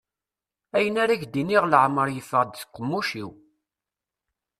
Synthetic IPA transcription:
æjənæɾæçd̪iniʁləʕməɾˤjəfəʁd̪θqːəmːuʃḭw

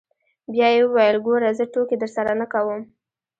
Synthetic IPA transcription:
bjɑjewəwajəlɡoɾazəʈoked̪əɾsaɾanəkawəm

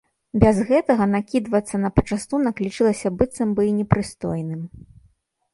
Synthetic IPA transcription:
bʲɛzɣɛt̪ɐɣɐnakʲid̪vɐt̪sːɐnɐpɐ̥t͡ʂast̪unɐklʲit͡ʂɨlˠɐsʲɐbɨt̪sɐmbɨinʲɛpɾɨst̪ɔ̰jnɨm

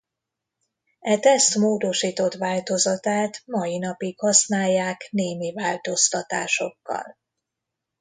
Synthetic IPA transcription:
ɛt̪ɛst̪moːd̪o̞ʃiːt̪o̞t̪ʋaːlt̪o̞zɒt̪aːt̪mɒinɒpikhɒsnaːjːaːkneːmivaːlt̪o̞st̪ɒt̪a̰ːʃo̞̰kːɒ̰l

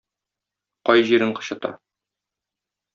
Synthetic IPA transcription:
qɒjʑiɾɘɴqɤ̥̆ɕɤ̆t̪ɑ̰

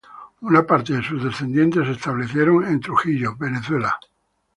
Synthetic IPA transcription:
unapaɾt̪eðesuzðe̞sθe̞nd̪je̞nt̪e̞sest̪aβ̞le̞θje̞ɾo̞ŋent̪ɾuxiʎobe̞neθwe̞la

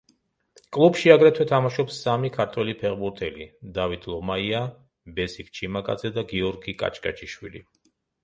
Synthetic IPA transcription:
kʼlˠubʃiaɡɾɛt̪ʰwɛt̪ʰamaʃɔpsːamikʰaɾt̪ʰwɛlipʰɛʁbuɾt̪ʰɛlid̪avit̪ʰlˠɔmaia | bɛsik̚t͡ʃʰimakʼa̰d̪zɛd̪aɡiɔɾɡikʼa̰t͡ʃʰʼkʼa̰t͡ʃʰiʃwḭlḭ

